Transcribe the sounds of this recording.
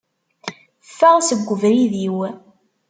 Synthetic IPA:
fːæʁsəɡʷːəvɾiðiw

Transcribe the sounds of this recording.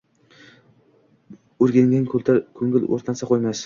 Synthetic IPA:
ʊɾɡʲaŋɡʲankʰlt̪ʰakʰɵŋʲɪlo̰ɾt̪ʰasaqʰojmas

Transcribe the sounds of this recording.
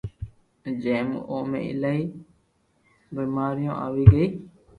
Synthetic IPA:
d͡ʒeːmoːmḛ̃ːʔɪlaːiː | biːmaːɾɪjõ̰ːʔaːʋiːɡəiː

